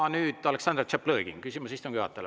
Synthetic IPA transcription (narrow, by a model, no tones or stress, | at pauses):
nyːd̪̥ɑleksɑnd̪̥rt͡ʃepləːɡḭŋkysimusist̪ːoŋjuɑ̰t̪ːˑɑl